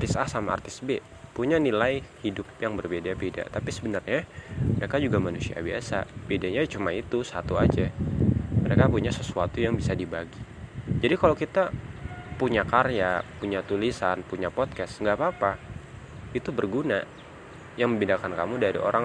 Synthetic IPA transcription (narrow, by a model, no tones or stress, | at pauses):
t̪ɪsahsamaa̰rt̪ɪsbe | puɲanilajhidʊp̚jaŋbərbedabeda̰t̪apisəbənarɲaməɾekad͡ʒuɡamanusia̰biasa̰b̥edaɲat͡ʃumait̪usat̪uad͡ʒa | məɾekapuɲasəsuat̪ujaŋbisadibaɡi | d͡ʒadikalawkit̪apuɲakarjapuɲat̪ulisanpuɲapɔt̪̚kɛsŋɡapapa | it̪ubərɡuna | jaŋməmbinakankamudaɾḭo̰ɾʔa